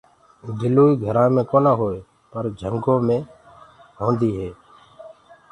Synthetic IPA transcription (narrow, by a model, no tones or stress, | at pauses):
d̪ʱɪloːiːɡʱəɾãːmẽːkoːnãːɦoːeː | pəɾd͡ʒʱəŋɡõːmẽː | ɦõːnd̪iːɦeː